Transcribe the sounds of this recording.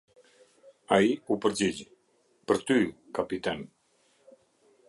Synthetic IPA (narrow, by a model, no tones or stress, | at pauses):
aiupəɾd͡ʒid͡ʒ | pəɾt̪ykapit̪ɛn